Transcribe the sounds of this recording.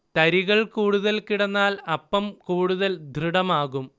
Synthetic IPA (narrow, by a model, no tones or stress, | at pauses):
t̪ɐɾiɣɐɭkuːɽuðɐlkiɽɐnːaːlɐpːɐmkuːɽuðɐld̪ʱriɽɐmaːɣum